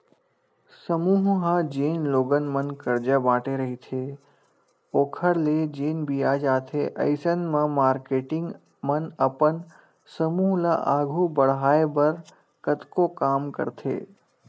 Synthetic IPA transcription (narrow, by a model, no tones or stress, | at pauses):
səmuɦɦad͡ʒeːnloːɡənmənkəɾd͡ʒabãːʈeɾəɦit̪ʰe | oːkʰəɽled͡ʒeːnbiaːd͡ʒaːt̪ʰeʔɐ̰ɪsənmãmaːɾkeːʈɪ̃ŋɡ | mənəpən | səmuːɦla̰ʔaːɡʱubəɽɦaːebəɾ | kət̪kokaːmkə̰ɾt̪ʰḛː